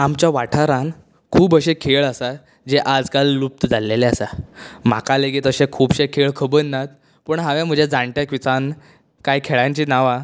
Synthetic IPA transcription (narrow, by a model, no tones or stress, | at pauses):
amt͡ɕjaʋaʈʰaɾãn | kʰuːbəɕẽkʰeɭəsa | d͡ʑeʔad͡zkalːup̚t̪əd͡zʱalːeleasam̤a̰kaleɡet̪əɕẽkʰuːbɕekʰeɭkʰəbəɾnat̪̚ | pəɳɦãʋjãm̤əd͡ʑed͡zãɳʈ̪jakʋit͡san | kajkʰeɭãɲt͡ɕiːnaʋa